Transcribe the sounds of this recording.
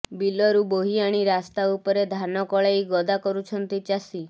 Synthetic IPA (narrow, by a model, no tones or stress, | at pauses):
bilɔɾuboɦiaɽ̃iɾast̪aupɔɾed̪ʱanɔkɔɭajɡɔd̪akɔɾut͡ʃʰɔnt̪it͡ʃasi